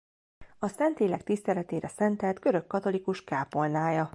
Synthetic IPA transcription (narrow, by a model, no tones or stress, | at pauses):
ɒsɛnt̪eːlɛk̚t̪ist̪ɛlɛt̪eːɾɛsɛnt̪ɛlt̪kø̞ɾø̞kːɒt̪o̞likuʃkaːpo̞lnaːjɒ